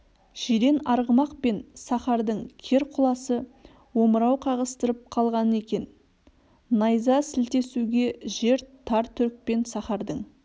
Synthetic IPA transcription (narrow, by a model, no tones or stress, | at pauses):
ʒ̥iɾe̞nɑɾʁəmɑqpe̞nsɑχɑɾd̪əɴkʲʰe̞ɾqʰʊlˠɑsə | wo̞məɾɑwqʰɑʁəst̪əɾəp̚qʰɑlˠʁɑnəe̞kʲe̞n | nɑjzɑsɪlt̪e̞suɡʲe̞ʒe̞ɾt̪ʰɑɾt̪ʰʏɾk̚pe̞nsɑχɑɾd̪əɴ